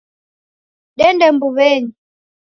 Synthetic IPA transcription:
ɗɛndɛmbuβɛɲi

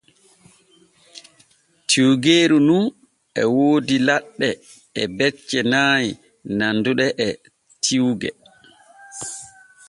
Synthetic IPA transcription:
tʰiwɡeːɾunun | ʔɛwoːdilaɗːɛ | ɛbɛt͡ʃːɛnaːj | nanduɗɛʔɛ | tʰiwɡɛ

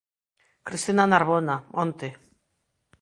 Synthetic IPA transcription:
kɾist̪inanaɾβonamont̪e

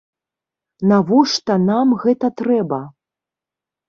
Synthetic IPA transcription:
navɔʂt̪ɐnamɣɛt̪ɐt̪ɾɛbɐ

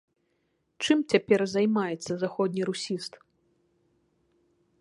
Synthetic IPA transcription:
t͡ʂɨmt͡sʲapʲɛrzajmajɛt̪sːɐzaxɔd̪ʲnʲiɾusʲist̪

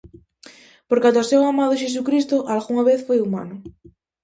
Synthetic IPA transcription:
poɾkat̪osewamaðʊʃ̬es̬ukɾist̪ʊʔalɣuŋaβeθfojuma̰nʊ

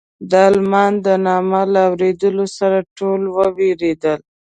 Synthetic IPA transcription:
d̪əɑlmɑnd̪ənɑməlaːwɾed̪əlosaɾaʈolwəweɾed̪əl

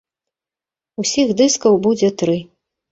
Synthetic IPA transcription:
usʲixd̪ɨskɐwbud͡zʲɛt̪ɾɨ

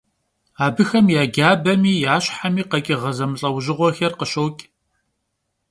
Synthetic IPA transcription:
aːbɨxɐmjaːɡʲaːbɐmiːjaːɕħamiːqɐkʼɪʁɐzɐmɬʼɐwʑɪʁʷɔxɐrqəɕowkʲʼ

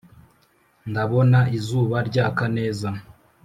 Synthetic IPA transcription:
ndaβo̞naizuːβaɾɟakane̞ːza

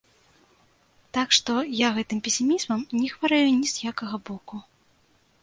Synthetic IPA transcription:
t̪akʂt̪ɔjaɣɛt̪ɨmpʲɛsʲimʲizmɐmnʲɛxvaɾɛjunʲizjakɐɣɐbɔku

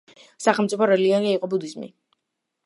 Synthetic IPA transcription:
saχɛlˠmtsʼipʰɔɾɛliɔniaiqʼɔbud̪izmḭ

